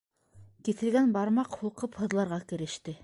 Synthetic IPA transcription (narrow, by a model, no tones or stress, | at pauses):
kiθɘ̆lɡænbɑɾmɑqhulˠqɤphɤ̆ðlˠɑɾʁɑkɘ̆ɾɘ̆ʃt̪ɘ